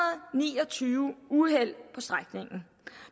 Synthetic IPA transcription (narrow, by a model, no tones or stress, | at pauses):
ɐð̩ˠnḭːɒ̽t͡sʰyːʊuɦel̰pʰɒ̽sd̥ʁaɡ̥ne̝ŋn̩